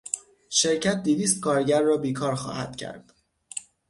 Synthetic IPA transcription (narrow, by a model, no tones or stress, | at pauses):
ʃe̞ɾcʰæt̪̚d̪iviːst̪kʰɒːɾɟæɾːɒːbiːkʰɒːɾxɒ̰ːhæ̰d̪̥cʰæ̰ɾd̪̥